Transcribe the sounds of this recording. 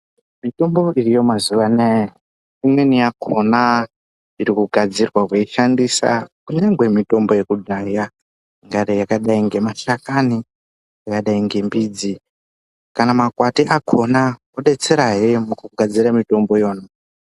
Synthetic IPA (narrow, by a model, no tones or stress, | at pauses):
mito̞mbo̞irijo̞mazuʋane | imwenijakʰona | iɾikuɡʱad͡zirwakweiʃandisa̰kuɲaŋɡwe̞mito̞mbo̞je̞kudʱaja | ŋɡaɾejakaɗaiŋɡe̞maʃakani | jakaɗaiŋɡe̞mbiːd͡zi | kanamakwatiʔakʰo̞na | oɗe̞t͡se̞ɾaɦemukuɡʱad͡ziɾamito̞mbo̞jo̞ːna